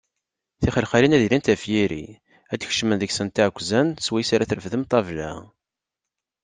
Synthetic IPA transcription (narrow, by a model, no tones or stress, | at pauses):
θiχəlχalinæðilint̪æfjiɾḭ | æd̪çʃmənðəçsənt̪ːiʕkʷːzænswæjsaɾaθɾəfðəmt̪ˤɑvlæ̰